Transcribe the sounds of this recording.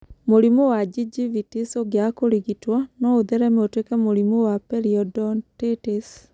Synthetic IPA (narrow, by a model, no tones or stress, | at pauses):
moɾimowad͡ʒid͡ʒivitisoɡjakoɾiɣitwanɔoðɛɾɛmeotwekɛmoɾimowapɛɾiɔdɔntetis